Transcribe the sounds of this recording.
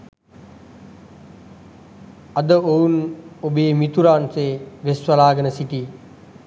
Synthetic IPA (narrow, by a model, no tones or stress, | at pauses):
ɐd̪əounobeːmit̪uɾaːnseʋesʋəlaːɡənəsiʈiː